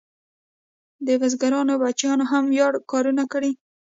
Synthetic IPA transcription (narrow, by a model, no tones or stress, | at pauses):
d̪əɣazɡaɾɑnobat͡ʃjɑnoɦamwjɑɽkɑɾunakɽi